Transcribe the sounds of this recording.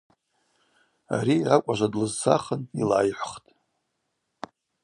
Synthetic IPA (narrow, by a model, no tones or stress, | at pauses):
a̰ɾiakʷʼaʒʷadlɨzsʰaχənilaːjħʷχtʼ